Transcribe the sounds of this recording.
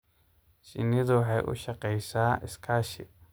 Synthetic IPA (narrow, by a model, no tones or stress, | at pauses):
ʃɪ̰nɪðʊwɑħɑjʔʊ̰ʃɑqɛjsaːɪskʰaːʃɪ